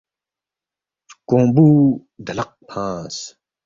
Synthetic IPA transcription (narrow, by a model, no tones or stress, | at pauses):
kõːmbuː | d̪ɐlɐq̚pʰãːs